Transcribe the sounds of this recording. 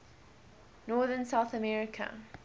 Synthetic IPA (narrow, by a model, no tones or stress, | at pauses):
nɔːðənsaʊθəmɛɹɪkʰə̰